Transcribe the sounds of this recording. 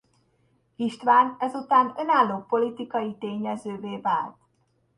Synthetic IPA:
iʃt̪ʋaːnɛzut̪aːnønaːlːoːpo̞lit̪ikɒjit̪eːɲɛzøːveːvaːlt̪

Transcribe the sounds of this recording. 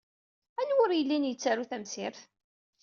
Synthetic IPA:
ænwʊɾjəlːinjət͡sːæɾuθæmsɪɾθ

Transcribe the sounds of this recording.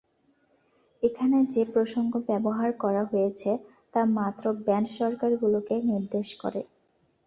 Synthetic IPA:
ekʰaned͡ʑepɾoʃoŋɡobɛboɦaɾkɔɾaɦojet͡ɕʰe | t̪amat̪ːɾobɛnʃɔɾkaɾɡulokeniɾd̪eʃkɔ̰ɾḛ

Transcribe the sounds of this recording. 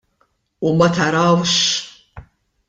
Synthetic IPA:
umɐt̪ɐɾɐwʃ

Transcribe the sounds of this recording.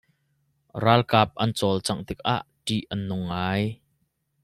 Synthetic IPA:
raːlkaːp̚ʔɐnt͡sɔlt͡sɐŋt̪ɪk̚ʔa̰ʔʈiʔʔɐnːʊŋːaːj

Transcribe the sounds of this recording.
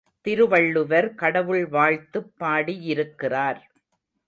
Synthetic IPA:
t̪ɪɾɯʋɐɭːɯʋɐɾkɐɽɐʋɯɭʋaːɻt̪ɯpːaːɽiɪɾɯkːɪraːɾ

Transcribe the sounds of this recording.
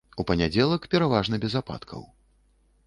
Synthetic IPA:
upɐnʲad͡zʲɛlˠɐkpʲɛɾavaʐnɐbʲɛzapa̰t̪kʰɐ̰w

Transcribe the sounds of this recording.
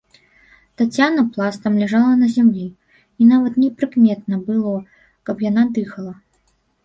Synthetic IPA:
t̪at͡sʲːanɐplˠast̪ɐmlʲɛʐalˠɐnɐzʲamlʲi | inavɐt̪nʲɛpɾɨkmʲɛt̪̚nɐbɨlˠɔ | kɐpjanad̪ɨxɐlˠɐ

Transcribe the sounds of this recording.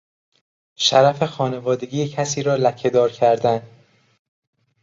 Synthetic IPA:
ʃæɾæfe̞xɒːne̞vɒːd̪e̞ɡiːjecʰæsiːɾɒːlækʰe̞d̪ɒːɾcʰæɾd̪æn

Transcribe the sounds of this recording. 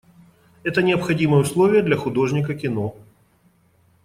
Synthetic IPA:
ɛt̪ənʲɪɐpxɐdʲimɨjəʊslˠovʲɪjəd̪lʲɐxʊd̪o̞ʐnʲɪkəkʲɪno̞

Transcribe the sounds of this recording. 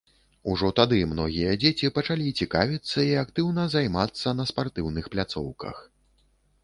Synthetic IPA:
uʐɔt̪ad̪ɨmnɔɣʲijɐd͡zʲet͡sʲipɐt͡ʂalʲit͡sʲikavʲit̪sːɐiakt̪ɨwnɐzajmat̪sːɐnɐspart̪ɨwnɨxplʲat̪sɔ̰wkɐ̰x

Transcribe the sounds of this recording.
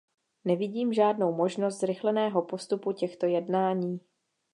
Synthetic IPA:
nɛvɪɟiːmʒaːdno̞wmo̞ʒno̞st̪zɾɪxlɛnɛːɦo̞po̞st̪upucɛxt̪o̞jɛdnaːɲiː

